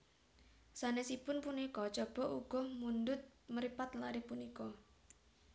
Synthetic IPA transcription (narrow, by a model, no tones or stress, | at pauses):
sanesipʊnpunikɔt͡ʃɔb̥ɔ̤ʔuɡ̥ɔ̤hmund̪ʊt̪̚məɾipat̪laɾipunikɔ